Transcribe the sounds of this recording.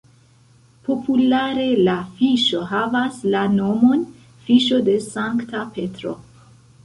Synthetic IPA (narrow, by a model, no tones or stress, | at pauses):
po̞pʰulaɾe̞lafiʃo̞ɦavaslano̞mo̞n | fiʃo̞de̞saŋktape̞tɾo̰